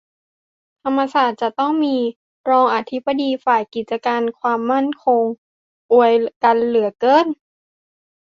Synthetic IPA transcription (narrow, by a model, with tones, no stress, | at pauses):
t̪ʰa˧mːa˧saː˨˩t̪̚t͡ɕa˨˩t̪ɔ˥˩ŋmiː˧ | ɾɔː˧ŋʔa˧t̪ʰi˦˥ba˧diː˧faː˨˩jki˨˩t̪̚t͡ɕa˧kaː˧nkʰwaː˧mːa˥˩nkʰo˧ŋ | ʔu˨˧˩əjka˧nlɯ˩˦ɐkɤː˧˥˨n